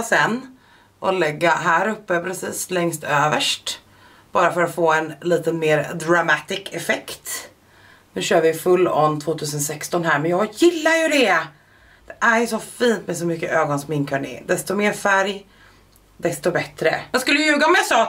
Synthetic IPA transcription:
sɛnː | ʔɔlɛɡːaɦæːɾɵpːəpʰɾɛsiːslɛŋst̪ʰøːvəʂʈ | b̥ɑːɾafœɾat̪foːɛnliːt̪ənmeːɾd̪ɾamat̪ɪkʰɛfɛkt̪ | nʉ̟ːɕøːɾvɪfɵlːɔ̰nt̪ʰvoːt̪ʰʉ̟ːs̬ənsɛkst̪ɔnɦæːɾmɛnjɑːɡjɪlːajɵd̪ɛ | d̪̥ɛʔæɾjɵsɔfiːnt̪mɛs̬ɔmʏkːəʔøːɡɔnsɔmɪnkʰœɳḛːd̪ɛst̪ɔmeːɾfæɾj | d̪ɛst̪ɔbɛt̪ɾəjɑːskɵlːəjəjʉ̟ːɡaɔmjasɑː

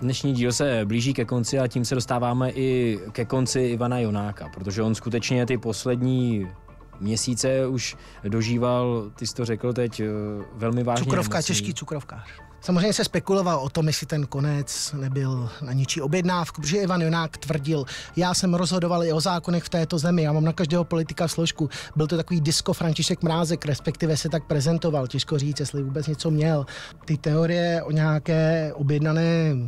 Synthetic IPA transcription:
dnɛʃɲiːɟiːlsɛbliːʒiːkɛko̞nt͡sɪaciːmsɛdo̞st̪aːvaːmɛʔɪkɛko̞nt͡sɪɪvanajo̞naːkapɾot̪oʒɛʔo̞nskut̪ɛt͡ʃɲɛt̪ɪpo̞slɛdɲiː | mɲɛsiːt͡sɛuʃ | do̞ʒiːvalt̪ɪsɪ̥t̪orɛkl̩t̪ɛcvɛlmɪvaːuɲɛkɾofkat͡ʃɛʃkiːt͡sukɾofkaːr | samozrejɲɛsɛspɛkulo̞valʔo̞t̪o̞mjɪsɪt̪ɛnko̞nɛt͡snɛbɪlnaɲɪt͡ʃiːobjɛdnaːfkupɾotoʒɛʔɪvanjonaːkt̪vr̩ɟɪljaːsɛmɾozɦo̞dovalɪo̞zaːkonɛxft̪ɛːt̪o̞zɛmɪjaːmaːmnakaʒdɛːɦopo̞lɪt̪ɪkafsloʃkubɪlt̪o̞t̪akoviːdɪsko̞fɾaɲcɪʃɛkmɾaːzɛkɾɛspɛk̚t̪ɪvɛsɛt̪ak̚pɾɛzɛnt̪o̞valcɛʃkoriːt͡sjɛslɪvuːbɛt͡sɲɛt͡so̞mɲɛlt̪ɪt̪ɛoɾɪjɛʔo̞ɲɛakɛːʔobjɛdnanɛː

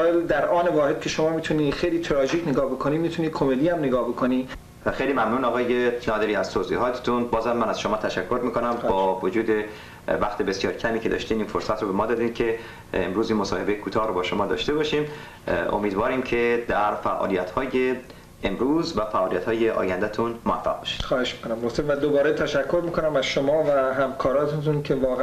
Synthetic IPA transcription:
ɒeld̪æɾɒːnevɒːhed̪̚cʲʰe̞ʃomɒːmit̪ʰuniːxejliːt̪ʰɾɒːʒiːcʰneɡɒːhbekʰoniːmit̪ʰuniːkʰomed̪iːæmneɡɒːhbekʰoni | xejliːmæmnuːnɒːɣɒːjenɒːd̪eɾiːæz̥t̪ʰoːziːɦɒːt̪ʰe̥t̪ʰunbɒːzhæmːænæz̥ʃomɒːt̪ʰæʃækʰːoɾmiːkʰonæmbɒːvod͡ʒuːd̪e̞ | væxt̪ʰebe̞sjɒːɾcʰæmiːcʰe̞d̪ɒ̰ːʃt̪iːniːnfoɾsæt̪ɾobemɒːd̪ɒːd̪iːnkʰe̞ | ḛmɾuːziːnmosɒ̰ːhe̞bejekʰuːt̪ʰɒːhɾobɒːʃomɒːd̪ɒ̰ːʃt̪e̞bɒːʃiːm | o̰miːd̪vɒːɾiːmcʰe̞d̪æɾfæʔɒ̰ːlijæt̪hɒːje | emɾuːzvæfæʔɒːlijæt̪hɒːjeʔɒ̰ːjænd̪æt̪ʰunmoæ̰fːæ̰ɣbɒ̰ːʃi̥d̪̥xɒːheʃmi̥konæmbofseivæd̪obɒːɾet̪ʰæʃækʰːoɾmiːkonæmæzʃomɒːvæɦæmkʰɒːɾɒːt̪ʰet̪uncʰevɒːɣ

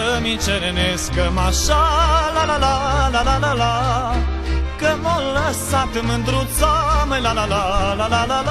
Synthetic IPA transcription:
əmit͡ʃeɾeneskəmaʃalalalalalalala | kəmoləsat̪ɨmɨnd̪ɾut̪saməjlalalalalalal

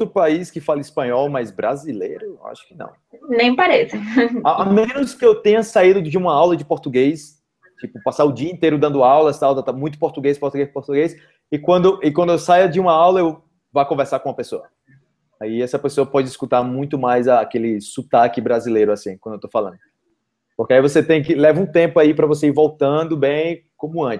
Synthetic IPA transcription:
t̪ɾʊpaiskɪfalɐispɐ̃ɲɔwmɐjzbɾazilḛjɾʊa̰ʃʊ̥kɪnɐ̰̃w̃ | nẽj̃paɾesɐaamẽnʊskɪewt̪ẽɲɐsaid̪ʊd͡ʒɪũmɐawlɐd͡ʒɪpoɾt̪uɡejs | t͡ʃipʊpasaɾʊd͡ʒiɐĩnt̪ejɾʊd̪ɐ̃nd̪ʊawlɐst̪awd̪ɐ̃t̪amũj̃t̪ʊ̥poɾt̪uɡejspoɾt̪uɡejspoɾt̪uɡejs | ɪkwɐ̃nd̪ʊʔɪkwɐ̃d̪ʊewsajɐd͡ʒɪũmɐawlɐew | vajkõveɾsaɾkõũɐpesoɐ | aiɛsɐpesoɐpɔd͡ʒɪiskut̪aɾmũj̃t̪ʊmajzɐkelɪsut̪akɪbɾazilejɾʊasĩkwɐ̃nd̪ewt̪owfalɐ̃nd̪ʊ | poɾkeaivoset̪ẽj̃kɪlɛvɐũt̪ẽpʊaipɾɐvos̬eiɾvowt̪ɐ̃d̪ʊbẽj̃ | kõmʊɐ̃t͡ʃɪ̥

